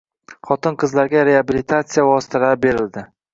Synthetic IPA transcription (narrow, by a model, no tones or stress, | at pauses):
χɒt̪ɪnqʰɨzlaɾɡʲaɾe̞abilit̪ʰat̪sijavɒst̪ʰɪlabe̞ɾɪld̪ɪ